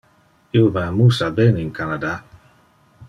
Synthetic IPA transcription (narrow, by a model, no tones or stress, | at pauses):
iovamusabeninkanad̪a